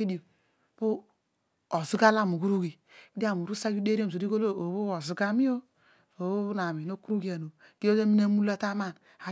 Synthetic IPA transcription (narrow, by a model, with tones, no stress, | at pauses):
i˦di˨o˨ | po˦ | o˨zu˦ɡa˦la˦˨mu˨ku˦ɾu˦ki˨ | i˦di˦a˦˨mu˨ɾu˦sa˦ju˦de˦ɾi˦o˦m˨so˨˦i˦ko˦lo˦o˨βo˦o˨zu˨ɡa˦mi˦o˦ | o˨˦o˦na˨mi˨no˦ku˦ɾu˦ɡi˨a˨no˨ | ki˦o˦e˦mi˦na˦mu˦la˦ta˦ma˦˨n | a˨